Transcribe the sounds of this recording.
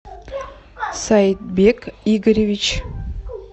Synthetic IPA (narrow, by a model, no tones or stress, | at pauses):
sat̪̚bʲekiɡəɾʲevʲit͡ɕ